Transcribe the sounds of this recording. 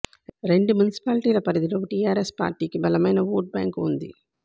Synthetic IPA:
ɾeɳɖɯmunɪsi̥paːlɪʈiːlɐpɐɾɐðiloːʈiːaːɾespa̰ːɾʈiːkibɐlɐmɐjnɐʋoːʈ̚bja̰ːŋkund̪ḭ

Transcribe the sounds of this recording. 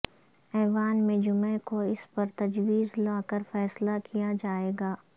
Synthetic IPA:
ɛːʋaːnmẽd͡ʒʊmekoɪspɐɾt̪ɐd͡ʒwiːzlaːkəɾfɛːslakʰijad͡ʒaːeːɡaː

